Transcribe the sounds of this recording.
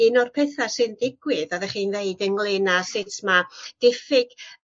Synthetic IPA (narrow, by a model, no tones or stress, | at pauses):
ɨnɔrpʰɛθasɨndɪɡwɪðɔðɛχiːnveɨdənɡlˠɪnasɪtʰmad̥ɪfɪɡ̥